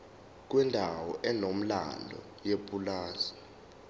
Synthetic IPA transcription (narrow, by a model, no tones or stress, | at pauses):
k̬wɛndʱawɔʔɛnom̩la̰lɔ̰ | jepʼulaːzi̥